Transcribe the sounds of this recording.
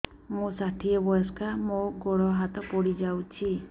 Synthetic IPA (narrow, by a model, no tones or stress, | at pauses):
mũsaʈʰiebɔjɔskʰamoɡoɽɔɦat̪ɔpɔɽid͡ʒawt͡ʃʰi